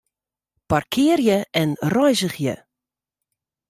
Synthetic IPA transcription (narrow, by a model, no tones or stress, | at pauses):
parkʰɪərjəʔɛnrɔjzəχjə̰